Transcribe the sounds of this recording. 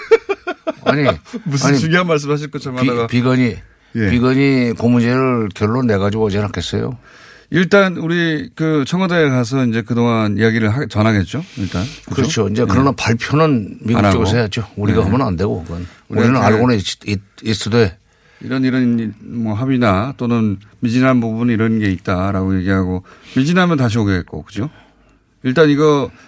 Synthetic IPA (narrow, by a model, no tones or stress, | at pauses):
aaɲimusaɲiuɡjɦanmaɭs̬͈ɯmhaɕ̬ʰiɭk͈ot͡ɕʰamiapiɡaɲi | jepiɡaɲikomund͡ʑeɾɯɭkjʌɭːonːe̞ɣad͡ʑiɡoʌd͡ʑianɦak͈ʰes͈ʌ̰jo̰ | iɭt͈anuɾikɯt͡ɕʰʌŋadaekas̬ʰʌind͡ʑe̞kɯdoŋaniaɡiɾɯɭɦat͡ɕʌnɦaɡe̞t̚t͡ɕ͈oiɭt͈ankkɯɾʌt͡ɕʰoind͡ʑe̞kɯɾʌnapaɭpʰjonɯnmiɡunkat͡ɕeɡɯs̬ʰet͡ɕouɾiɡaɦammʌnande̞ɡoɡʌn | uoinɯnaɭɡonɯitis͈ɯde | ḭɾʌniɾʌnmʌɦabidat͈onɯnmid͡ʑinɦanbubuniɾʌnɡe̞it̚t͈aɾaɡoje̞ɡiɦaɡomid͡ʑinɦamjʌntaɕ̬ioɡeet̚k͈o̰kɯd͡ʑo | iɭt͈aniɡʌ